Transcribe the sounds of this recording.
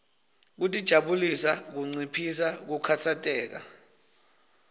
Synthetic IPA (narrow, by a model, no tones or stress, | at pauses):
k̬utʼid̥ʒ̥ʱaɓulisak̬uŋ͡ǀipʰisak̬ukʰat͡sʰatʼɛːk̬a̰